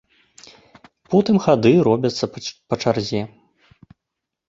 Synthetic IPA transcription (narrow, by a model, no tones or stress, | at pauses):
pɔt̪ɨmxad̪ɨɾɔbʲɐt̪sːɐpɐt͡ʂarzʲɛ